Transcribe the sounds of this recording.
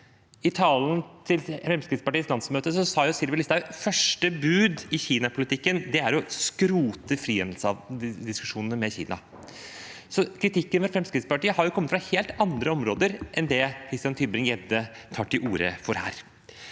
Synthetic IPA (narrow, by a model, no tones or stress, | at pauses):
ɪt̪ʰɑːlnt̪ʰɪlfɾɛmskɾɪt̪spɑʈiːəslɑnsmøːt̪əsɔsɑːjʊsɪɾʋɪlɪst̪ɑfœʂʈəbʉːd̪ɪçiːnɑpʰʊlɪt̪ʰɪkːənd̪ɛæɾɔskɾuːt̪əfɾiːɛnl̩sɑd̪ɪskʉʂuːnənəmɛçḭːnɑ̰ | sɔkʰɾɪt̪ʰɪkːənfɔɾfɾɛmskɾɪt̪spɑʈiːəhɑɾjʊkʰɔmːət̪fɾɑheːlt̪ɑnd̪ɾəɔmɾoːd̪əɾʔɛnd̪ɛkʰɾɪst̪jɑnt̪ʰʏbɾɪŋjɛd̪ə | t̪ʰɑːʈːɪʔuːɾə̰fɔɾhæ̰ːɾ